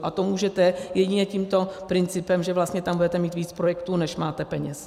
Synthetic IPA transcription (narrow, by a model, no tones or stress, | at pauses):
ʔat̪omuːʒɛt̪ɛjɛɟɪɲɛciːmt̪o̞pɾɪnt͡sɪpɛmʒɛvlast̪ɲɛt̪ambudɛt̪ɛmiːt̪viːt͡spɾojɛkt̪uːnɛʃmaːt̪ɛpɛɲɛs